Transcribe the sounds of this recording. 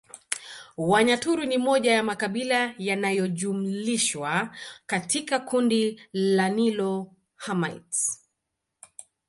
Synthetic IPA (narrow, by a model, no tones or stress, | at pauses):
waɲatuɾunimɔʄajamakaɓilajanajɔʄum̩liʃwakatʰikakundilanilɔ | hama̰jt